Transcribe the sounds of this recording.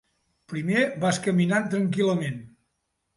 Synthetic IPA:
pɾimebaskəminant̪ɾəŋk̬iləmen

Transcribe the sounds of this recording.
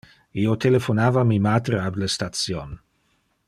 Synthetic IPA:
iot̪elefonaːvamimat̪ɾeablest̪at̪t͡sjon

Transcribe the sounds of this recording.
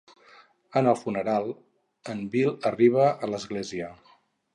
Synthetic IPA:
ənəlˠfunəɾalˠ | əmbilˠəriβ̞əələzɣleziə

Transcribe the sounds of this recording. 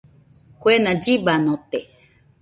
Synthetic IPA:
kwenãd͡ʒibanõt̪e

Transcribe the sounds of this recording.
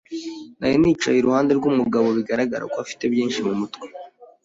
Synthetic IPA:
najeniːt͡ʃajiɾuhaːnde̞ɾɡumuɡaβo̞βiɡaɾaɡaɾa̰koafi̥te̞bjiːnʃimumutwe

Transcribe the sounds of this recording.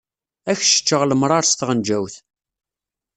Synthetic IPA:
æçʃə̥t͡ʃːəʁləmɾˤɑɾˤst̪ʁənd͡ʒæwθ

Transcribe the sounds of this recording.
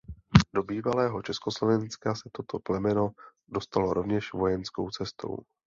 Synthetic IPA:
do̞biːvalɛːɦo̞t͡ʃɛskoslo̞vɛnskasɛt̪o̞t̪oplɛmɛno̞ | do̞st̪aloɾʔo̞vɲɛʃvo̞jɛnsko̞̰wt͡sɛst̪ʰo̞̰w

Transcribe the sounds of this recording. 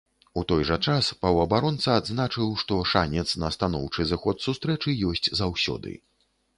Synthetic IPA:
ut̪ɔjʐɐt͡ʂaspɐwɐbaɾɔnt̪sɐːd̪znat͡ʂɨwʂt̪ɔʂanʲɛt̪snɐst̪anɔ̰wt͡ʂɨzɨxɔt̪sust̪ɾɛt͡ʂɨjɔsʲt͡sʲzawsʲɔ̰d̪ɨ̰

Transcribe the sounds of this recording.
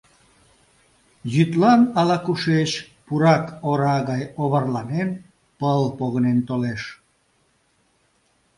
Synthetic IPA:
jyt̪lɑnɑlɑkuʃeʃ | puɾɑkoɾɑɣɑjoβərlɑnen | pəlpoɣnent̪oleʃ

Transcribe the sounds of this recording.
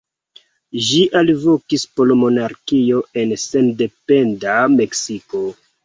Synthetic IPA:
ʒiʔalvo̞kispolomo̞naɾkio̞e̞nse̞nde̞pe̞ndame̞ksiko̞

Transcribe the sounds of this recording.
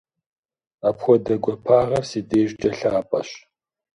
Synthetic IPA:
apxʷɔdɐɡʷɔpʰaːʁɐrsiːdeːʒd͡ʒʼɐɬaːpʼɐ̰ɕ

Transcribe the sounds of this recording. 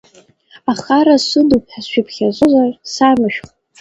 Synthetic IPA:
aχaɾasʷɨdupħasʃᶣɪpʰχʲazʷʼozʷarsamɨʃᶣχ

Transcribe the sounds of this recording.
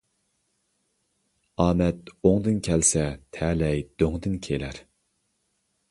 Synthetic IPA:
ɑːmɛt̪oŋd̪ɨnkʲʰɛlsɛt̪ʰɛːlɛjd̪̥øŋd̪ɨnkʲʰelæɾ

